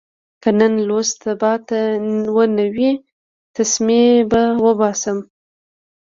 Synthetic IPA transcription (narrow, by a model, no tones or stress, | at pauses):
kənənlost̪abɑt̪awənawi | t̪asmebawəbɑsəm